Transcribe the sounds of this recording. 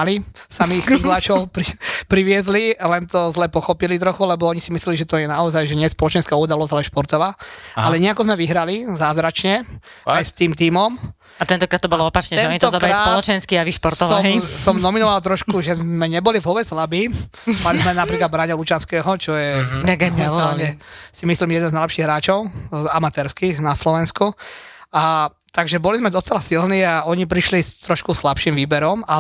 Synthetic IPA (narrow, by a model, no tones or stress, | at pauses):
alisamiizlat͡ʃɔpɾipɾiʋɪɛzlilɛnt̪ɔzlɛpɔxɔpilit̪ɾɔxulɛbɔɔɲisimislɛliʒɛt̪ɔjɛnaɔzajʒɛɲɛspɔlɔt͡ʃɛnskauːd̪alɔzalɛnʃpɔɾt̪ɔʋaːalɛɲɪɛakɔzmɛʋiɦɾalizaːzɾat͡ʃɲɛ | ajst̪iːmt̪iːmɔm | at̪ɛnt̪ɔkɾaːt̪ːɔbɔlɔɔpat͡ʃɲɛɛɔɲit̪ɔzɔkɾalɾaisɔlɔt͡ʃɛnskiaʋiʃpɔɾtt̪ɔʋɔmsɔmnɔminɔʋalt̪ɾɔʃkuʒɛzmɛɲɛbɔlivɦɔʋɛslabi | malizmɛnapɾiːklad̪bɾaɲɛlut͡ʃanskɛːɦɔt͡ʃɔjɛɡɛalɲɛsimislimɛd̪ɛnznaɪlɛpʃiɣɦɾaːt͡ʃɔʊamat̪ɛɾskixnaslɔʋɛnskuʔa | t̪aɡʒɛbɔlizmɛd̪ɔst͡sɛlasilniːaʔɔɲipɾiʃlist̪ɾɔʃkuslapʃimʋiːbɛɾɔma